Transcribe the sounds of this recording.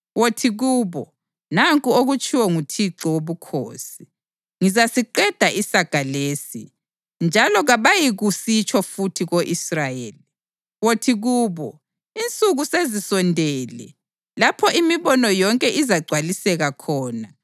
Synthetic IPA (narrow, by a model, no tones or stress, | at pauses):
wotʰiɣuːβɔ | naŋkʼuoɣut͡ʃʰʼiwɔŋutʰiǁɔwoβukʰo̰ːsi | ŋizasiǃɛd̥ʱaʔisaɡ̥ʱaleːsḭ | nd͡ʒʱalɔɣaβajiɣusit͡ʃʰʼɔfutʰiɣoʔisrajeːli | wotʰiɣuːβɔ | int͡sʼuɣusezisɔndʱɛːlɛ̰ | lapʰɔʔimiβɔnɔjɔŋkʼɛʔizaɡ͡ǀʱwalisɛɣakʰɔːna